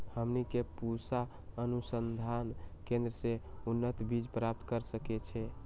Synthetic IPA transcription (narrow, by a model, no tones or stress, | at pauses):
həmnikepusa | ənusənd̪ʱankẽnd̪ɾəseunːət̪bid͡ʒpɾap̚t̪kəɾsəkɛt͡ʃʰɛ